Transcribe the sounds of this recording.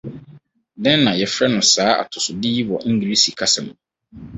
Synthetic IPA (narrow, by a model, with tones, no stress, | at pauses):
dɛ̃˦nː˦ã˨jɛ˨fɾɛ˦nʊ̃˨saː˨˦a̰˨tʰʊ˨sʊ˨diː˦i˦wɔ˨ʔĩ˦ɡɾi˦si˨kʰa˦sɛ˨m̃˨